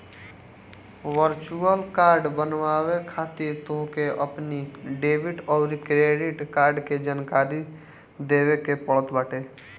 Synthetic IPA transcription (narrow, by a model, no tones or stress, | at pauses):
wəɾt͡ʃuəlkaːɾɖbənwaːwekʰaːt̪iɾt̪õɦkeʔəpniɖeːbɪʈɔːɾkɾeːɖiʈkaːɾɖked͡ʒankaːɾi | d̪eːwekepəɭət̪bəːʈeː